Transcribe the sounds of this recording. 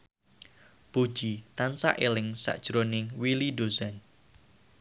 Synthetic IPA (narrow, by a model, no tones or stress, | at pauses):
b̥u̥ʒ̥it̪ansa̰ʔelɪŋsa̰ʔd̥ʒ̥ɾonɪŋwiliɖozan